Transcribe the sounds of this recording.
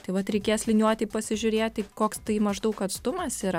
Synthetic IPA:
t̪ɐɪʋɐt̪ɾʲɛɪkʲeːslʲɪnʲuɔt̪ʲɪpɐsʲɪʒʲʊɾʲeːtʲɐɪkoːkst̪ɐɪmɐʒd̪ɐʊkɐt̪st̪ʊmɐsiːɾɐ

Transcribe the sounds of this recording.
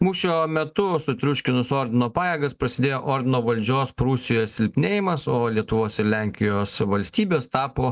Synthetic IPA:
muːʃʲoːmʲɛt̪ʊsʊt̪ʲɾʲʊʃʲkʲɪnʊsoːɾʲd̪ʲɪnoːpɑːjeːɡɐspɾɐsʲɪd̪ʲeːjoːʔoːɾʲd̪ʲɪnoːʋɐlʲd͡ʒʲoːspɾusʲɪjoːsʲɪlʲpʲnʲeːjɪmɐsoːlʲiɛt̪ʊʋoːsɪɾlʲæˑŋʲkʲɪjoːsʋɐlʲsʲt̪ʲiːbʲeːst̪ɑːpoː

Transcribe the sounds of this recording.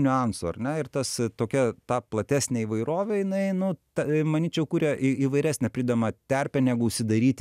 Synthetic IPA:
nʲʊɑnsoːɐ̰rnʲɛɪrt̪ɐst̪oːkʲɛt̪ɑːplˠɐt̪ʲæːsʲnʲeːiːʋɐɪɾoːʋʲɛjɪnɐɪnʊt̪ɐmɐnʲiːt͡ʃʲɛʊkuːɾʲɛʔiiːʋɐɪɾʲæːsʲnʲɛpʲɾʲɪːd̪ɐmɐt̪ʲæɾʲpʲɛnʲæɡʊʊʃʲsʲɪd̪ɐɾʲiːt̪ʲ

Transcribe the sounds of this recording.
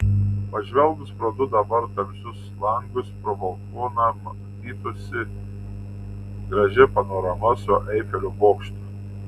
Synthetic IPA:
pɐʒʲʋʲɛlˠɡʊspɾɐd̪ʊd̪ɐbɐɾt̪ɐmʲsʲʊslˠɐŋɡʊspɾɔbɐlˠkuɔnɐmɐ | t̪ʲiːt̪oːsʲɪ | ɡɾɐʒʲɪpɐnoːɾɐmɐsʊʔɛɪfʲɛlʲʊboːkʃʲt̪ʲʊ

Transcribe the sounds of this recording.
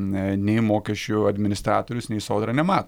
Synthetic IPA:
nʲɛɪmoːkʲɛʃʲt͡ʃʲʊɐd̪ʲmʲɪnʲɪst̪ɾɑːt̪oːɾʲʊsnʲɛɪsoːd̪ɾɐnʲɛmɑːt̪o

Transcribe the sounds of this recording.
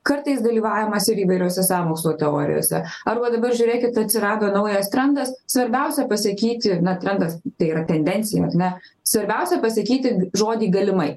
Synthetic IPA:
kɐɾt̪ɐɪsd̪ɐlʲiːʋɑːʋʲɪmɐsɪɾiːʋɐɪɾʲoːsʲɛsɑːmoːkslˠoːt̪ʲɛoːɾʲɪ̰jo̰ːsʲɛ̰ɐɾbɐd̪ɐbɐrʒʲuːɾʲeːkʲɪt̪ɐt̪ʲsʲɪɾɑːd̪oːnɐʊjɛst̪ʲɾʲɛnd̪ɐssʋɐɾʲbʲɛʊsʲɛpɐsɐkʲiːt̪ʲɪnɐt̪ʲɾʲɛnd̪ɐst̪ɐɪiːɾɐt̪ʲɛnʲd̪ʲɛnʲt̪sʲɪjɛ̰ɐ̰ɾnʲɛ | sʋɐɾʲbʲɛʊsʲɛpɐsɐkʲiːt̪ʲɪʒoːd̪ʲiːɡɐlʲɪmɐɪ

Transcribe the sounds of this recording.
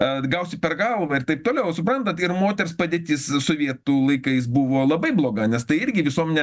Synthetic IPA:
ɡɐʊsʲɪpʲɛrɡɐlˠʋɐɪrt̪ɐɪp̚t̪oːlʲɛʊsʊpɾɐnt̪ɐt̪ɪrmoːt̪ʲɛrspɑːd̪ʲeːt̪ʲiːssoʋʲiɛt̪uːlˠɐɪkɐɪs̬bʊʋoːlˠɐbɐɪblˠoːɡɐnʲɛst̪ɐɪɪɾʲɡʲɪʋʲɪsuɔmʲɛnʲɛ

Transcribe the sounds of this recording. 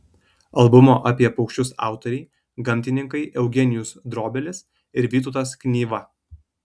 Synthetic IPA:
ɐlˠbʊmoːʔɑpʲiɛpɐɒʊkʃʲt͡ʃʲʊsɑ̰ˑʊt̪ɔɾʲɛɪ | ɡɐmʲt̪ʲɪnʲɪŋkɐɪʔɛʊɡʲɛnʲɪjʊsd̪ɾoːbʲɛlʲɪs | ɪɾʋʲiːt̪ʊt̪ɐsknʲiːʋɐ

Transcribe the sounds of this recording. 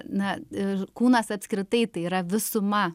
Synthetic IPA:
nɐɪkuːnɐsɐpʲsʲkɾʲɪt̪ɐɪt̪ɐɪiːɾɐʋʲɪsʊmɐ

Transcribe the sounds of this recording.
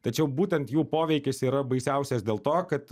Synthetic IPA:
t̪ɐt͡ʃʲɛʊbuːt̪ʲɛnt̪juːpoːʋʲɛɪkʲɪsiːɾɐbɐɪsʲɛʊsʲɛsd̪ʲeːlˠt̪oːkɐt̪

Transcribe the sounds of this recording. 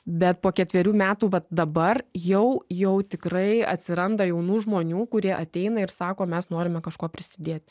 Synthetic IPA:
bʲɛt̪̚poːkʲɛt̪ʲʋʲɛɾʲuːmʲæːt̪uːʋɐt̪̚d̪ɐbɐrjɛʊjɛʊt̪ʲɪkɾɐɪɐ̰t̪ʲsʲɪɾɐnd̪ɐjɛʊnuːʒmoːnʲuːkʊɾʲiɛʔɐt̪ʲɛɪnɐɪɾsɑːkoːmʲɛsnoːɾʲɪmʲɛkɐʃkoːpʲɾʲɪsʲɪd̪ʲeːt̪ʲ

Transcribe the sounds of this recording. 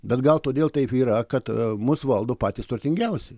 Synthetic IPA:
bʲɛt̪ɡɐlˠt̪oːd̪ʲeːlˠt̪ɐɪpiːɾɐkɐt̪mʊsʋɐlˠd̪oːpɑːt̪ʲiːst̪ʊrʲt̪ʲɪŋʲɡʲɛʊsʲɪ

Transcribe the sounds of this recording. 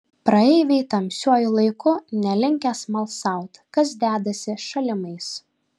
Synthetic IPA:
pɾɐɛɪʋʲɛɪt̪ɐmʲsʲuɔjʊlˠɐɪkʊnʲɛlʲɪŋʲkʲɛsmɐlˠsɐˑʊt̪kɐsd̪ʲæːd̪ɐsʲɪʃɐlʲɪmɐɪs

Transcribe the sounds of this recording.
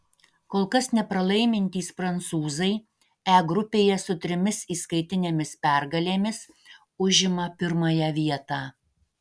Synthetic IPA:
koːlˠkɐsnʲɛpɾɐlˠɐɪmʲɪnʲt̪ʲiːsfɾɐnt̪suːzɐɪ | æːɡɾʊpʲeːjɛsʊt̪ʲɾʲɪmʲɪsiːskɐɪt̪ʲɪnʲeːmʲɪspʲæˑɾɡɐlʲeːmʲɪs | ʊʒʲɪmɐpʲɪɾmɐjɛʋʲiɛt̪ɑː

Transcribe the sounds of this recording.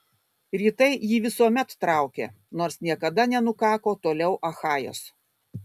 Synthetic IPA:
ɾʲiːt̪ɐɪjiːʋʲɪsuɔmʲɛt̪ːɾɑʊkʲḛː | noːɾsnʲiɛkɐd̪ɐnʲɛnʊkɑːkoːt̪oːlʲɛʊʔɐxɑːjo̰ːs

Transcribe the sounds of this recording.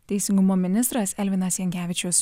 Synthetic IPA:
t̪ʲɛɪsʲɪŋɡʊmoːmʲɪnʲɪst̪ɾɐsɛlʲʋʲɪnɐsjɛŋʲkʲæːʋʲɪt͡ʃʲʊs

